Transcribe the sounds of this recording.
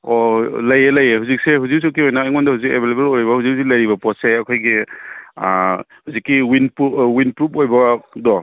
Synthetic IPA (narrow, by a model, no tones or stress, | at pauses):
ɔlajelajeɦuzik̚seɦuzik̚s̬ukiɔjnaːjŋɔndahuzikebʱelebelojɾbahuzik̚huzik̚lajɾibɐpɔtseɐkʰojɡḭ | huzikːiwinpuwinpɾup̚ojbadɔ